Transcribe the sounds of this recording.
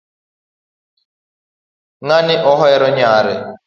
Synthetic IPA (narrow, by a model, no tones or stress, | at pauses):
ŋanɪʔɔɦɔɛɾɔɲaːɾɪ